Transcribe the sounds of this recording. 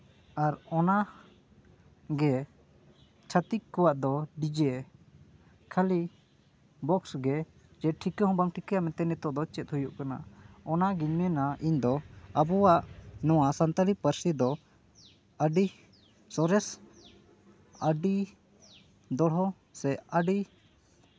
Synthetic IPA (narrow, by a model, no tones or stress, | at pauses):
aɾɔna | ɡɛ | t͡ʃʰat̪ikkːɔwaʔd̪ɔɖid͡ʒɛ | kʰali | bɔksɡɛ | d͡ʒɛʈʰikɛɦɔ̃baŋʈʰikɛjamɛt̪ɛnɛt̪ɔʔd̪ɔt͡ʃɛt̪̚hujuʔkana̰ɔnaɡiɲmɛnaʔiɲd̪ɔabɔwaʔnɔwasant̪alipəɾsid̪ɔ | əɖi | sɔɾɛs | əɖi | d̪ɔɽɦɔ | sɛəɖi